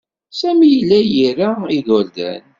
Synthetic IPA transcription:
sæmijəlːæjiɾaiðʊɾd̪æ̰n

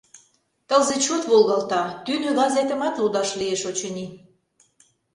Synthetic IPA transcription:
t̪əlzet͡ɕot̪βolɣɑlt̪ɑt̪ynøɣɑzet̪ə̆mɑt̪lud̪ɑʃlieʃot͡ɕəni

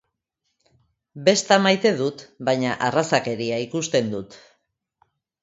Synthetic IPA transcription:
be̞st̪amajt̪e̞ðut̪bajɲaʔarasake̞ɾiaikust̪e̞nd̪ut̪

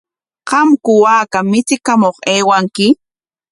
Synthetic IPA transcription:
qɑmkʊwaːkamɪt͡sɪkamoχeːwaŋkɪ

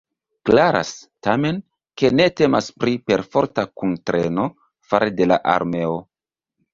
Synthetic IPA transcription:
klaɾa̰stame̞n | ke̞ne̞te̞maspɾipe̞ɾfo̞ɾtakuntɾe̞no̞ | faɾede̞la̰ʔa̰ɾme̞o

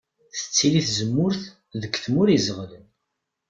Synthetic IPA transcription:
θə̥t͡sːiliθzəmːʊɾθ | ðəkːθmʊɾizʁlən

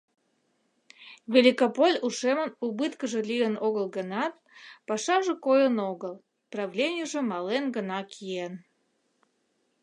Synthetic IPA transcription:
vʲelʲikopolʲuʃemənubɨt̪kəʒə̆lʲiənoɣəlˠɡənɑt̪̚pɑʃɑʒə̆kojənoɣəlˠ | prɑvlʲenʲɪjəʒəmɑlenɡənɑkʰien

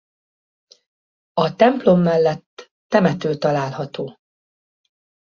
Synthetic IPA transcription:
ɒt̪ɛmplo̞mːɛlːɛt̪ː | ɛmɛt̪øːlt̪ɒlaːlhɒt̪oː

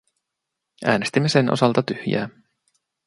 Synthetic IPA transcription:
ʔæːne̞st̪imːe̞senʔo̰sɑlt̪ɑt̪yhjæ̰ː

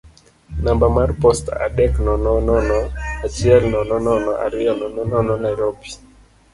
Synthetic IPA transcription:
nambamarpɔsta̰dɛknɔnɔnɔnɔat͡ʃɪɛlnɔnɔnɔnɔʔa̰ɾɪɔnɔnɔnɔnɔnajɾopi̥

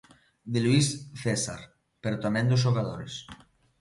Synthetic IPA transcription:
d̪eluisθesa̰ɾ | peɾot̪amẽnd̪ozʒoɣaðoɾes

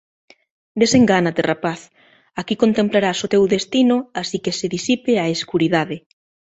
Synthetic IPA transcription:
d̪eseŋɡanat̪erapaθ | akikont̪ẽmplaɾasot̪ewðest̪inʊasikeseðisipeaeskuɾiðaðɪ

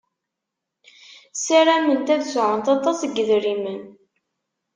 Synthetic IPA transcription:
siɾæmənt̪æðsʕənt̪ɑt̪ˤːɑsɡəðɾimən

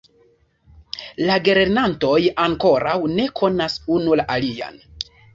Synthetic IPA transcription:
laɡeɾeɾnanto̞jaŋko̞ɾawne̞kʰo̞nasunulaʔalia̰n

